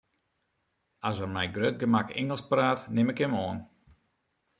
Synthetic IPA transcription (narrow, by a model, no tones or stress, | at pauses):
asərmɛjɡrøt̚ɡəmakɪ̰ŋəlˠspraːtnɪmɪkəmoən